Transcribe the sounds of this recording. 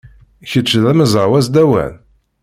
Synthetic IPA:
çət͡ʃːðæməzˤwæzd̪æwæ̰n

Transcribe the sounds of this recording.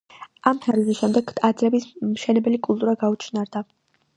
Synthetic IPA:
amt̪ʰaɾzɛʃɛmd̪ɛɡad̪zɾɛbismʃɛnɛbɛlikʼulˠt̪ʼuɾaɡaut͡ʃʰnaɾd̪a

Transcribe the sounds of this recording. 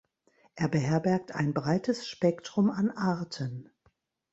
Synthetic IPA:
ʔeːɐbəɦɛɐbɛɐk̚tʰa̰ɪnbʁaɪtʰəsʃpɛktʁ̥ʊmanʔaɐtʰən

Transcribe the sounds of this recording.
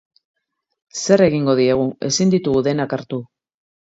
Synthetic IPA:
se̞re̞ɣiŋɡo̞ð̞ie̞ɣ̞ue̞sind̪it̪uɣuðe̞nakaɾt̪u

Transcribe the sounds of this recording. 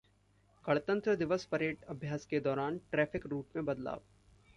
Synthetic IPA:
kɐɭt̪ə̃nt̪ɾəd̪ɪʋəspɐɾeːʈɐbʱjaːsked̪ɔːɾaːnʈɾɛːpʰɪkɾuːʈmẽbɐd̪la̰ːʋ

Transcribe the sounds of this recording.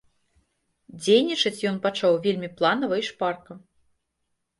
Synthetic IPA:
d͡zʲejnʲit͡ʂɐt͡sʲjɔnpat͡ʂawvʲelʲmʲiplˠanɐvɐiʂparkɐ

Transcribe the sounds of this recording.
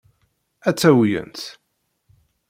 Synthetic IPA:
æt͡sːæwjə̰nt̪

